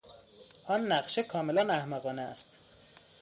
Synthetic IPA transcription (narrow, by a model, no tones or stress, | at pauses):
ʔɒːnːæɢʃekʰɒːmelænæhmæɣɒːneæ̰st̪